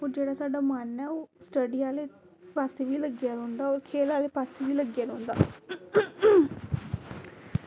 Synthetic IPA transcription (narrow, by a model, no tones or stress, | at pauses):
oːd͡ʒeːɽaːsaːɖaːmənɛːoːsʈəɖijãːleː | paːseːʋiːləɡjaːɾõːnd̪aːoːɾkʰeːlaːleːpaːseʋiːləɡjaːɾõːnd̪a̰ː